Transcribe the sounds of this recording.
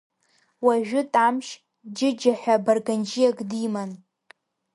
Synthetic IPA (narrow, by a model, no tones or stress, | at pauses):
waʒᶣʊtʼamʃ | d͡ʒɪd͡ʒaħʷᶣabarɡand͡ʒijakʼdiman